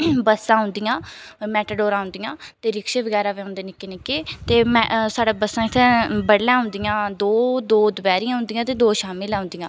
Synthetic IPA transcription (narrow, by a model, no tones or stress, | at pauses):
bəsãːʊ̃nd̪ijãːmɛːʈəɖoːɾãːʊ̃nd̪ijãːt̪eːɾɪkʃeːʋəɡɛːɾaːʋãʊ̃nd̪eːnɪkːeːnɪkeːt̪eːmɛsaːɽaːbəsãːɪt̪ʰːebəɽlãːʊ̃nd̪ijãːd̪oːd̪oːd̪ʋɛːɾijãːɦʊ̃nd̪ijãːt̪eːd̪oːʃaːmɪlãːʊ̃nd̪ijãː